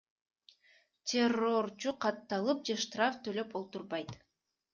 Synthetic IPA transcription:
tʲʰero̞rt͡ʃuqʰɑt̪ːɑlˠɯp̚d͡ʒe̞ʃt̪raft̪ʰø̞lø̞polˠt̪uɾβɑjt̪

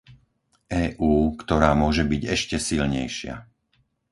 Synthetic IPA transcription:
ʔɛːʔuːkt̪ɔɾaːmʊɔʒɛbiɟɛʃcɛsilɲɛjʃɪa̰

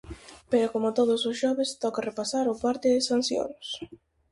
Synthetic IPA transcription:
peɾʊkomʊt̪oð̞ʊsʊsʃɔβɪst̪ɔkarepasaɾʊpaɾt̪ɪðɪsanθjo̰ns

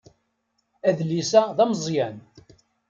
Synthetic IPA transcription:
æðlisæðæmzˤjæn

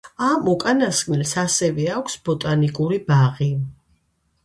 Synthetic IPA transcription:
amɔkʼanaskʼnilsasɛvɛakʷʰsb̥ɔt̪ʼanikʼuɾibaʁi

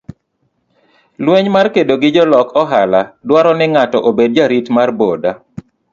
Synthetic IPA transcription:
lweɲmarkedoɡɪd͡ʒɔlɔkʰɔɦaladwaɾɔnɪŋatɔʔobed̚d͡ʒaɾitmarboda

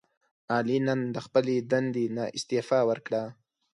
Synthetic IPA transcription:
ɑlinənd̪əxpəled̪and̪enaʔɪst̪efɑwəɾkɽa

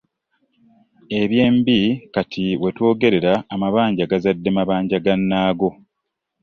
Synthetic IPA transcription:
e̞βje̞ːmbikatʰiwe̞two̞ːɡe̞ɾe̞ɾaːmaβaːɲɟaɡazadːe̞maβaːɲɟaɡanːaːɡo̞

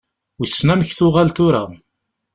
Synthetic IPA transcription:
wisːnæməçθʊʁalt̪ʊɾa

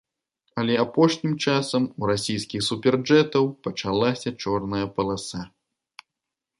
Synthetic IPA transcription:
ɐlʲɛapɔʂnʲimt͡ʂasɐmuɾasʲijskʲixsupʲɛrd͡ʐɛt̪ɐwpɐt͡ʂalˠasʲɐt͡ʂɔrnɐjɐpɐlˠasa

